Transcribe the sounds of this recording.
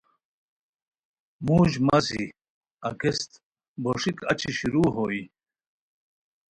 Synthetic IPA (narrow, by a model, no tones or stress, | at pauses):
muːʑmɐsḭ | ɐkest̪ | boʂikɐt͡ɕiɕiɾuːɦoːi